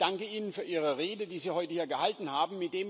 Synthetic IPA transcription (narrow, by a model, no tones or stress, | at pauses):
d̥aŋkəiːnənfyːɐʔiːʁ̞əʁeːdədiːziːhɔʏtəhiːɐɡəhaltn̩haːbm̩mɪt̚d̥eːm